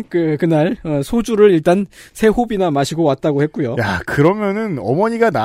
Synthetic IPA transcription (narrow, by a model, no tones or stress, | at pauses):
kɯkɯnaɭʌsʰod͡ʑuɾɯɾiɭt͈ansʰe̞hobinamaɕʰiɡowat̚t͈aɡohe̞t̚k͈ujojakɯɾʌmjʌnɯnʌmʌɲiɡana